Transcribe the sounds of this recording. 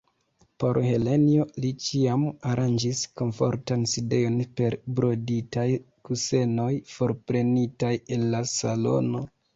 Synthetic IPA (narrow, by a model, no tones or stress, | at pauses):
po̞ɾhe̞le̞nio̞lit͡ʃiamaɾand͡ʒisko̞ɱfo̞̰ɾtanside̞jo̞npe̞ɾbɾo̞ditaj | kuse̞no̞jfo̞ɾpɾe̞nitaje̞nlasalo̞̰no̞